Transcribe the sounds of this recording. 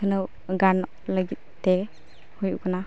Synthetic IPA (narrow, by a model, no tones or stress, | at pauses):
ɯnɯw | ɡanɔk̚ləɡit̪̚dɛ | hujukana